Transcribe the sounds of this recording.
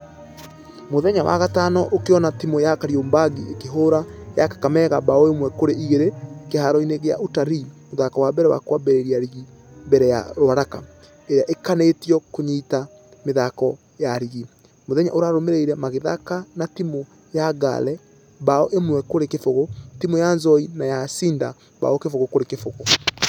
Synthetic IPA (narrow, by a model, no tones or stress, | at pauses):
moðɛɲawa̰ɣatanɔʔokeɔnatimojakaɾioːmbaɡiekeɦoɾajakḁkamɛɣabaɔemwɛkoɾeʔiɣeɾekehaɾɔineɣea̰ʔutaɾimoðakɔwabɛɾɛwa̰kwabɛɾeɾiaɾiɣi | bɛɾɛja̰ɾoaɾaka | eɾeaʔekanetiɔkoɲita | meðakɔ | jaɾiɣi | moðɛɲa̰ʔoɾaɾomeɾeiɾɛmaɣeða̰kanatimo | jaɡa̰lɛ | baɔʔemwɛkoɾekefoɣotimojanzɔinajasiːnda | ba̰ɔkefoɣokoɾekefoɣo